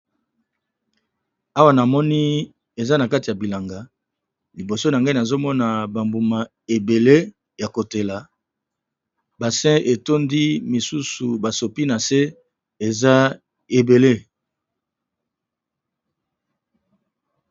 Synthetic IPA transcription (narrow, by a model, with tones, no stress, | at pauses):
a˦wa˦˨na˨mɔ˦ni˦ | e˨za˦na˨ka˦ti˨a˨bi˨la˨ŋɡa˨ | li˨bo˨so˦na˨ŋɡa˦i˦na˨zo˦mɔ˦na˨ba˨mbu˨ma˨ | e˨be˨le˦ | ja˨ko˨te˨la˨ | ba˨sɛ̃˦e˨to˦ndi˦mi˨su˦su˨ba˨so˨pi˦na˨se˦ | e˨za˦ | e˨be˨le˦